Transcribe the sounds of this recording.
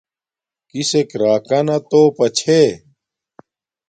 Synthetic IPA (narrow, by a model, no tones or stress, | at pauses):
kisekɾaːkɐnɐt̪oːpɐt͡ɕʰe